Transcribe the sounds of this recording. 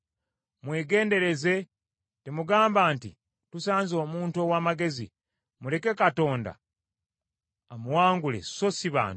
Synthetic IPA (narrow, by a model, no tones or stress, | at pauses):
mwe̞ːɡe̞ːnde̞ɾe̞ze̞ | temuɡaːmbaːntḭ | tusaːnzo̞ːmuːnto̞ːwaːmaɡe̞zḭ | mule̞ke̞kato̞ːnda̰ | amuwaːŋɡule̞̰so̞siβa̰ːntu